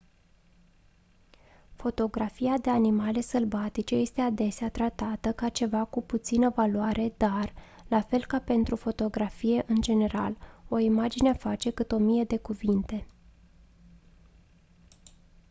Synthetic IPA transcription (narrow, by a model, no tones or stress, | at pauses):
fo̞t̪o̞ɡɾafiad̪e̞animale̞səlbat̪it͡ʃe̞je̞st̪e̞ad̪e̞seat̪ɾat̪at̪əkat͡ʃe̞vakuput̪sinəvaluaɾʔe̞d̪ar | lafe̞lkape̞nt̪ɾufo̞t̪o̞ɡɾafije̞ʔɨnd͡ʒe̞ne̞ɾa̰lo̞imad͡ʒineafat͡ʃe̞kɨt̪o̞mije̞d̪e̞kuvint̪e̞